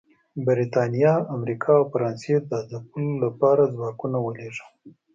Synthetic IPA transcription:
bɪɾit̪ɑnijɑamɾikʰɑːwfaɾɑnsed̪ad̪əpulolːapɑɾad͡zwɑkunawəleʐə̥

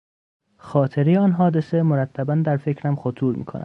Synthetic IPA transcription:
xɒːt̪ʰe̞ɾejeɒːnɦɒːd̪e̞semoɾæt̪ʰːæbænd̪æɾfe̞cɾæmxot̪ʰuːɾmḭːkʰo̞̰næ̰d̪

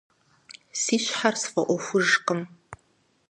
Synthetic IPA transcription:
siːɕħarsfɐʔʷɔxʷʊʒqəm

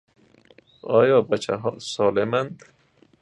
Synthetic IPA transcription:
ɒːjɒːbæt͡ʃʰa̰ɦɒːsɔːlemand̪

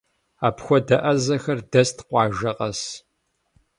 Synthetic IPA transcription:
aːpxʷɔdɐʔɐzɐxɐrdɐstʰqʷɑːʒɐqʼɐs

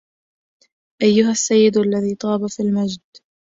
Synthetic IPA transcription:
ʔajːʊɦasːajːɪd̪alːaðiːt̪ˤɑːbafilmad͡ʒd̪

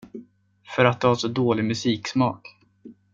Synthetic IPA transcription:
fœɾat̪̚d̪ɵhasɔd̪oːlɪmɵsiːksmɑːk

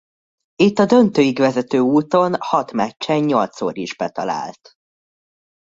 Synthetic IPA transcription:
it̪ːɒd̪ø̞nt̪øːjiɡʋɛzɛt̪øːuːt̪o̞nhɒt̪mɛct͡ʃːɛɲɲo̞lt̪so̰ːɾiʒbɛt̪ɒ̰la̰ːlt̪

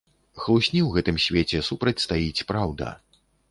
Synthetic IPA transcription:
xlˠusʲnʲiwɣɛt̪ɨmsʲvʲet͡sʲɛsupɾɐt͡sʲst̪ajit͡sʲpɾawd̪ɐ̰

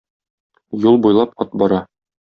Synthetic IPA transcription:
julˠbujlˠɑpɒt̪̚bɒɾɑ

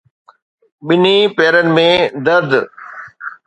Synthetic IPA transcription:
ɓɪnipeːɾənɪ̆mẽd̪ɐɾd̪

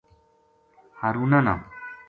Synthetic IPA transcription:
haɾunana̰

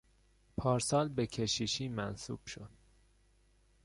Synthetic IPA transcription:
pʰɒːɾsɒːlbe̞cʰe̞ʃiʃiːmænsṵːb̥ʃod̪̥

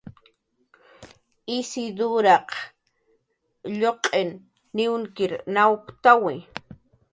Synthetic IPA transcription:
ɪsɪd̪ʊɾɑq | ʎoqʼenː | ɪwŋkɪɾnawkt̪awɪ

